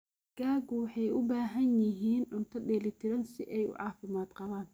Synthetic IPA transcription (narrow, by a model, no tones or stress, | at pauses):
ɡ̥aːɡwɑħɑjʊbaːɦɐnjɪɦiːnʕʊnt̪ʰɐdɛːlɪt̪ʰɪɾɐnsɪʔɛjʊ̰ʕɑːfɪmaːd̪qɑβaːn